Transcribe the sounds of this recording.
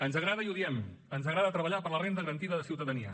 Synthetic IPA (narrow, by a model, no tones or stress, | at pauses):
ənzəɣɾaðəiuðiɛm | ənzəɣɾaðət̪ɾəβəʎapəɾlərend̪ðəɣəɾənt̪iðəðəsiwt̪əðəniə̰